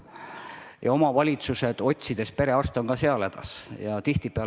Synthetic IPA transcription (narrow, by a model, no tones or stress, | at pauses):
jɑ̰o̞mɑvɑlʲit̪suse̞d̪̥o̞t̪̚ʲsid̪̥e̞spe̞ɾe̞ɑst̪o̞ŋkɑse̞ɑled̪̥ɑ̰sjɑt̪iht̪ipeɑ